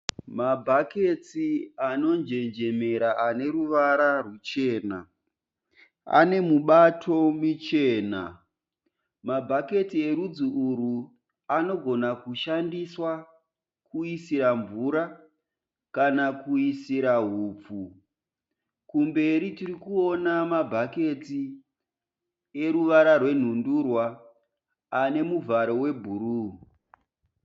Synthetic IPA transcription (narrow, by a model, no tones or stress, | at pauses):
mabʱake̞tiano̞nd͡ʒe̞nd͡ʒe̞me̞ɾaane̞ɾuʋaɾarut͡ʃe̞ːna̰ | a̰ne̞muɓatʰo̞mit͡ʃe̞ːna̰ | mabʱake̞tie̞ɾud͡zuuɾu | ano̞ɡʱo̞nakuʃandiswa | kuisiɾaɱvuɾa | kanakuisiɾaɦuːp͡fu | kumbe̞ɾitirikuo̞namabʱake̞ti | e̞ɾuʋaɾarwe̞n̤undurwaː | ne̞muvʱaɾo̞we̞bʱuɾu